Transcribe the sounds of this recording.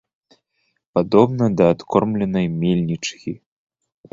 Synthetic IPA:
pad̪ɔbnɐd̪ɐːt̪kʰɔrmlʲɛnɐjmʲelʲnʲit͡ʂkʲi

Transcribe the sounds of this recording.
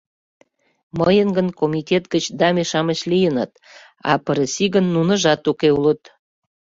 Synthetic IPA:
məjənɡənkomit̪ʲet̪̚ɡət͡ɕd̪ɑmeʃɑmət͡ɕlijənə̰t̪ | ɑ̰pəɾəsiɣənːunə̆ʒɑt̪ukeulət̪

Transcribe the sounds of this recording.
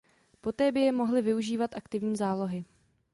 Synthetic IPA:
po̞t̪ɛːbɪjɛmo̞ɦlɪvɪuʒiːvat̪ʔakt̪ɪvɲiːzaːlo̞ɦɪ

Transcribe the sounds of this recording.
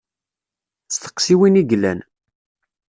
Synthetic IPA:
t͡st̪ə̥qsiwiniɡlæ̰n

